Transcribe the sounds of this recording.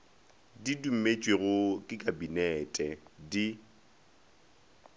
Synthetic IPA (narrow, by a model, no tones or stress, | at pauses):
didum̩met͡ʃʼweɣʊkʼɪkʼabinɛtʼɛdi